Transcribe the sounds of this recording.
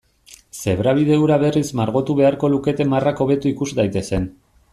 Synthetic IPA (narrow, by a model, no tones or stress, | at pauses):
se̞βɾaβ̞iðe̞uwɾaβe̞rizmaɾɣo̞t̪uβe̞aɾko̞luke̞t̪e̞marako̞β̞e̞t̪uikuzd̪ajt̪e̞se̞n